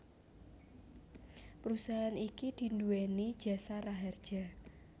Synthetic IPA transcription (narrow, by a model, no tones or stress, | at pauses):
pəɾusaɦanikid̪̥i̤nd̪uwenid̥ʒ̥a̤saraɦard̥ʒ̥a